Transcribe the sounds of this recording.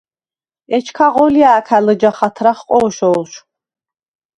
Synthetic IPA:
ɛt͡ʃʰkʰaʁɔliaːkʰaləd͡ʒaχat̪ʰɾaχqʼɔːʃɔːlˠʃ

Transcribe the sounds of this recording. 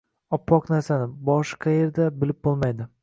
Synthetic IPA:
ɒpʰːɒqnaɾsanɪbɒʃqʰɑje̞ɾd̪abɪlɪp̚bolˠmajd̪ɪ

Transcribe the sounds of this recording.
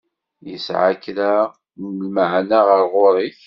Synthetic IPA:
jəsʕakɾa | lməʕnaʁəɾˤʁʊɾˤiθ

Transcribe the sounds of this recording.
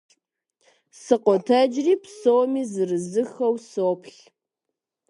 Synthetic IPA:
sɨqʷɔtʰɐd͡ʒriːpsoːmiːzɨrɨzɨxɐwsoːpʰɬ

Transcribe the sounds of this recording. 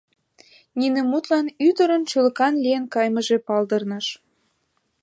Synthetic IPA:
ninemut̪lɑnyd̪əɾənt͡ɕylə̆kɑnlijenkɑjməʒepɑld̪ə̆rnəʃ

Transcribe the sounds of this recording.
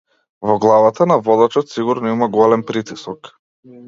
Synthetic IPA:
vɔɡlˠavat̪anavɔd̪at͡ʃɔt̪siɡuɾnɔimaɡɔalɛnpɾit̪isɔk

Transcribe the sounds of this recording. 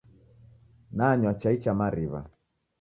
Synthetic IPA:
naːɲwat͡ʃait͡ʃamaɾiβa̰

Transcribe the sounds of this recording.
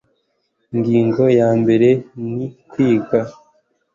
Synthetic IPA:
ŋɡiːŋɡo̞jaːmbe̞ɾe̞nikwiːɡa

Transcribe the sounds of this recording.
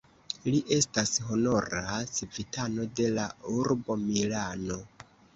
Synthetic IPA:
liʔe̞stasɦo̞no̞ɾasivitʰano̞de̞lauɾbo̞milano̞

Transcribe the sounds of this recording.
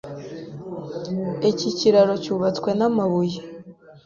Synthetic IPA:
e̞ciciɾaɾo̞cuβat͡skwe̞namaβuje

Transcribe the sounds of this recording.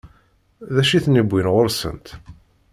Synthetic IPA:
ðæʃiθnibʷːinʁʊɾsə̰nt̪

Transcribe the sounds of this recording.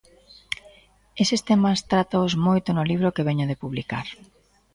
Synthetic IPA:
esest̪emɐst̪ɾat̪aʊzmojt̪ʊnʊliβ̞ɾokeβeɲoðepuβlikaɾ

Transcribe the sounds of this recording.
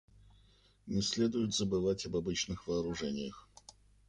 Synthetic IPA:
nʲɪsʲlʲe̞d̪ʊjʊt̪zəbɨvatʲɐbɐbɨt͡ɕnɨxvəːɾʊʐɛnʲɪjəx

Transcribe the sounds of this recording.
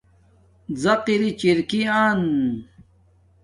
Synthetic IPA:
zɐqiɾit͡ɕiɾkiaːn

